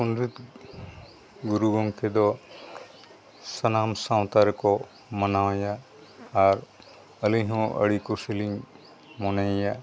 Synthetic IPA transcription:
unɾit̪ | ɡuɾuɡɔ̃ŋkʰɛd̪ɔ | sənamsãw̃t̪aɾɛkɔ | mənawajaː | ɾ | əlijɦɔ̃ʔə̰ɽikusiliŋ | mɔnaja

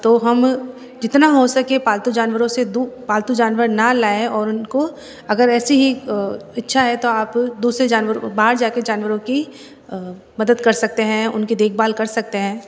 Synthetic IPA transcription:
t̪oːɦɐm | d͡ʒɪt̪naɦosɐkepaːlt̪ud͡ʒaːnwəɾõsed̪upaːlt̪ud͡ʒaːnʋəɾnalaːeɔːɾʊnko | ɐɡəɾɛːsiɦiɪtːʃʰaɦɛt̪oaːpd̪uːsɾed͡ʒaːnʋəɾbaːɦəɾd͡ʒaːked͡ʒaːnʋəɾõki | mɐd̪əd̪kɐɾsɐk̚t̪eɦɛ̃ʊnkid̪eːkʰbaːlkɐɾsɐk̚t̪eɦɛ̃ː

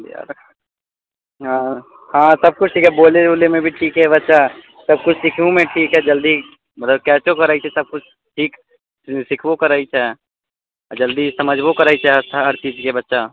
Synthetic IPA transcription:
da̰ɾkʰ | ɦã | hãːsəb̚kʊt͡ʃʰʈʰiːkɦɛboːleolemẽbʱiʈʰiːkɦɛbətːʃa | sɐb̚kʊt͡ʃʰsɪkʰũmẽʈʰiːkɦɛd͡ʒəld̪i | mɐt̪ləb̚kɛːt͡ʃokəɾaːit͡ʃʰɛsəb̚kʊt͡ʃʰ | ʈʰiːk | sɪkʰbokəɾaːit͡ʃʰɛ | d͡ʒəld̪isəməd͡ʒʱbokəɾaːit͡ʃʰaəɾt͡ʃiːd͡ʒkebətːʃa

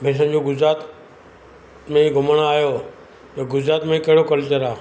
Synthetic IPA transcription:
bʱẽs̬ənd͡ʑoɡʊd͡ʑɾaːt̪ | mẽɡʱʊməɽ̃aːjo | t̪ɐɡʊd͡ʑɾaːt̪mẽkɐɦɪɽokəlt͡ɕəɾaː

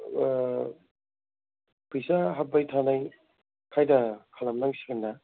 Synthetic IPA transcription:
pɯjsaɦap̚bajtʰanaj | kʰajdɐkʰalɐmlaŋsiɡinːa

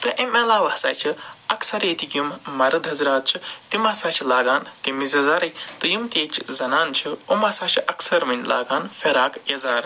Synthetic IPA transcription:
t̪ɨʔemɐlaːʋɐhsa̰ːjt͡ʃʰɨɐksɐɾeːt̪ikʲumːɐɾɐd̪ɦɐzɾaːt̪̚t͡ʃʰit̪imasaːt͡ʃʰilaːɡaːnkemizʲɐzaːɾɐjt̪ɨjumt̪ʲeːt͡ʃʰzɐnaːnt͡ʃʰɨomɐsaːt͡ʃʰiʔɐksɐɾmɐnʲla̰ːɡaːnfeɾaːkjɐzaːɾ

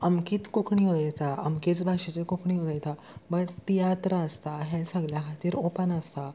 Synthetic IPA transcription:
əmkiːt̪kokɳiɦod̪əjt̪aəmkit͡sbʱaʂet͡ɕekokʰɳiɦod̪ajt̪a | bəɽt̪ijat̪ɾəəst̪aɦɛ̃səɡljaɦat̪iːɾopənəst̪a

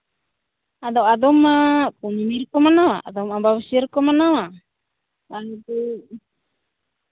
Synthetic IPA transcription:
ad̪awad̪ɔmakunimirkɔmanawa̰a̰d̪ɔmabaβasirkɔmanawa | baŋt̪u

